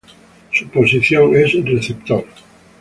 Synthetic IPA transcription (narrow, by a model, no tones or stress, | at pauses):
suposiθjoŋesreθept̪oɾ